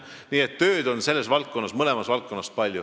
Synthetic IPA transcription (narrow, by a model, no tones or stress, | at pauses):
niːe̞t̪ːø̞ːd̪̥o̞nse̞lːe̞svɑlk̪̚kːˑo̞nːɑsmɤle̞mɑsvɑlk̪kːˑo̞nːɑspɑlʲju